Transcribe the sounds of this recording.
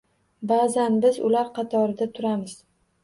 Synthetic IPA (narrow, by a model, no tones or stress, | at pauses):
bazanbɪzʊ̰laɾqʰɑt̪ʰɒɾɪd̪at̪ʰʊɾamɪz̥